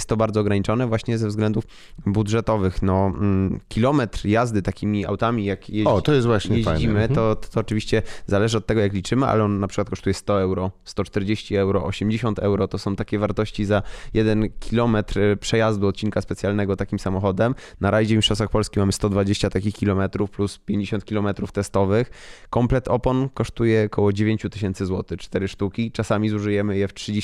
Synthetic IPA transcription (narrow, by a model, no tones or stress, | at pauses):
st̪ːɔbaɾd̪zɔɡɾaɲit͡ʂɔnɛvwaɕɲɛzɛvzɡlɛnd̪uf | bud̪ʐɛt̪ɔvɘxnɔkʲilɔmɛt̪ɾjazd̪ɘt̪akʲimʲia̰wt̪amʲijakjeɔtt̪ɔjɛst̪vwaɕjeʑjd͡ʑimɘɔt̪ɔːt͡ʂɘvʲiɕt͡ɕɛzalɛʐɘɔt̪ːɛɡɔjaklʲit͡ʂɘmɘa̰lɛɔnːapʂɨ̥kwat̪kɔʂt̪ujɛst̪ɔɛwɾɔst̪ɔt͡ʂt̪ɛɾd͡ʑeɕt͡ɕiɛwɾɔʔɔɕɛmd͡ʑeɕɔ̃nt̪ɛwɾɔt̪ɔsɔ̃w̃t̪akʲɛvaɾt̪ɔɕt͡ɕizajɛd̪ɛnkʲʰilɔmɛt̪ɾpʂɛjazd̪uɔt̪̚t͡ɕinkaspɛt̪sʲjalnɛɡɔt̪akʲimsamɔxɔd̪ɛm | naɾaʑɛvʲmiʂɔsaxpɔlskʲixmamɘst̪ɔd̪vad͡ʑeɕt͡ɕat̪akʲixkʲilɔmɛt̪ɾufpluspʲjeɲd͡ʑeɕɔnt̪̚kʲilɔmɛt̪ɾuft̪ɛst̪ɔvɘxkɔmplɛt̪ɔpɔnkɔʂt̪ujɛkʰɔwɔd͡ʑevʲeɲt͡ɕut̪ɘɕ̬ɛnt̪sɘzwɔt̪ɘt͡ʂt̪ɛɾɘʂt̪ukʲit͡ʂasamʲizuʐɨjɛmɘjɛftʂɨd͡ʑe